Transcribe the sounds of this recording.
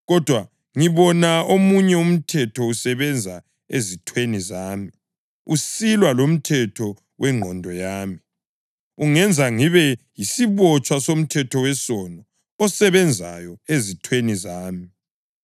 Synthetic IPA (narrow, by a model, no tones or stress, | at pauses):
ɣɔd̥ʱwa | ŋiβɔnaomuɲɛum̩tʰɛtʰɔusɛβɛnd͡zʱa | ezitʰwenizaːmi | usilwalom̩tʰɛtʰɔ | wʔɛŋ͡ǃʱɔndʱɔjaːmi | uŋɛnd͡zʱaŋiβɛjisiβɔt͡ʃʼwasom̩tʰɛtʰɔwɛsɔnɔː | sɛβɛnd͡zʱa̰jɔezitʰwenizaːmi